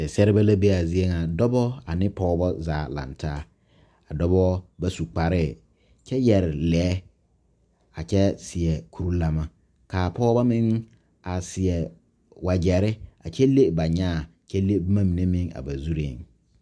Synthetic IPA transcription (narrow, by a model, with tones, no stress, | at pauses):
sɛ˨sɛ˦ɾɪ˦ba˦la˦be˦a˨zi˦e˦ŋa˨dɔ˦bɔ˦a˨nɪ̃˦pɔː˦bɔ˦zaː˨lã̰˨ntʰaː˦ | a˨dɔ˦bɔ˦ba˦su˨k͡pa˨ɾɪ˦˨ | t͡ʃʰɛ˦jɛ˨ɾɪ˨lɛː˨˦ | a˨t͡ʃɛ˦sɪ˨ɛ˨kʰu˦ɾu˦la˨ma˨ | kaː˨pʰɔː˦ba˦mɪ̃˦ŋ | a˨sɪ˨ɛ˨ | wa˨d͡ʒɛ˨ɾɪ˦a˨t͡ʃʰɛ˦le˦ba˨ɲaː˦˨t͡ʃʰɛ˦le˦bma˦mĩ˨ne˦mɪ̃˦ŋa̰˨ba˨zu˦ɾe˦˨ŋ